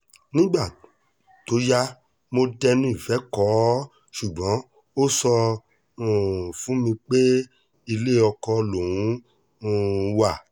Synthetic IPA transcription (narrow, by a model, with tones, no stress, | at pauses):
nĩ˦ɡ͡ba˦˨ | to˨˦ja˦ | mo˧dɛ˧nũ˦i˦˨fɛ˨˦kɔ˨˦ | ʃu˨ɡ͡bɔ̃˨˦ | o˦sɔ˧ | ũ˨fũ˨˦mĩ˧k͡pe˦ | i˧le˦˨ɔ˧kɔ˧lo˨wũ˨˦ | ũ˦˨˧wa˦˨